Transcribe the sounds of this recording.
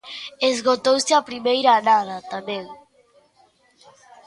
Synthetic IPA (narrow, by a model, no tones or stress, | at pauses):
ezɣot̪owsɪapɾimejɾaːnaðat̪amẽŋ